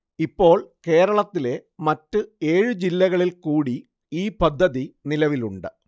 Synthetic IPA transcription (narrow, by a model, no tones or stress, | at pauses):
ipːo̞ːɭke̞ːɾɐɭɐt̪ːile̞mɐtːɨe̞ːɻɨd͡ʑilːɐɣɐɭilkuːɽi | iːpɐd̪ʱːɐðinilɐʋiluɳɖɨ